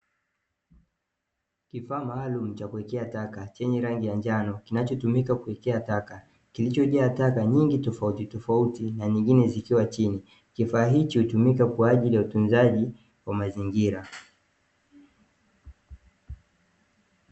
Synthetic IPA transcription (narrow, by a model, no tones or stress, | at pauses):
kifaːmaːlum̩t͡ʃakuɛkɛatakat͡ʃɛɲɛɾaŋɡijaɲd͡ʒanɔkinat͡ʃɔtumikakuɛkɛataka | kilit͡ʃɔʄaːtakaɲiŋɡitɔfautitɔfautinaɲiŋɡinɛzikiwat͡ʃini | kifaːɦit͡ʃihutumikakwaːʄilijautunzaʄi | wamaziŋɡiɾa